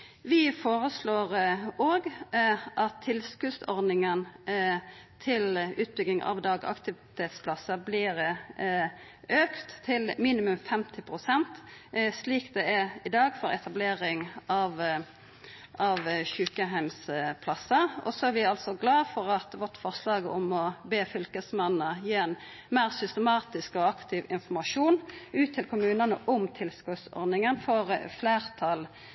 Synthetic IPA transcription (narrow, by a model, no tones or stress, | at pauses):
ʋɪfoːɾəsloːʁoːɡʔɑt̪ʰːɪlskʉsɔɾd̪ɪŋən | t̪ʰɪlʉːt̪̚bʏɡɪŋʔɑ̰ʋd̪ɑːɡɑ̰kt̪ɪʋɪt̪ʰeːt̪spʰlɑsəblɪɾ | ʔøːkt̪ʰːɪlmiːnɪmʉmfɛmt̪ʰɪpʰɾʊsɛnt̪sliːkd̪ɛæɾɪd̪ɑːɡfɔɾɛt̪ʰɑbleːɾɪŋɑʋ | ʔɑʋçʉːkəɦæɪmspʰlɑsːəɔ̰sɔæɾʋɪɑlsɔɡlɑːfɔʁɑt̪ʋɔt̪fɔʁslɑːɡɔmɔbeːfʏlkəsmɛnːəjiːɛn | mæːʁsʏst̪əmɑːt̪ɪskɔɑkt̪ʰɪʋɪnfɔʁmɑʂuːnʉːt̪ʰːɪlkʰʊmʉːnənə̰ʔɔmt̪ʰɪlskʉt̪sɔ̰ɾd̪nɪŋənfɔʁfleːʁt̪ʰɑl